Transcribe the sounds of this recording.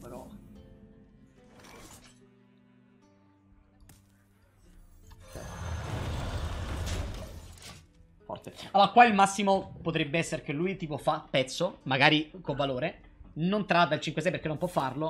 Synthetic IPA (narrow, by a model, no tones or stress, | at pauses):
pɾo | t͡ʃɛ̰t̪ | fɔ̰rt̪ealːoːɾakwailmasːimopot̪ɾebːeɛsːeɾek̟elːujt̪iːpofapːɛt̪sːomaɡaːɾikovːaloːɾe | nont̪ɾad̪ːailt͡ʃiŋkwesɛjpeɾkenːompwɔfːarlo